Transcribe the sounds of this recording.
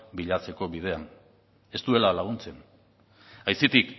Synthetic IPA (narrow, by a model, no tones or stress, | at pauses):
biʎat͡se̞ko̞βið̞e̞an | e̞st̪ue̞lalaɣ̞unt͡se̞n | ajsit̪ik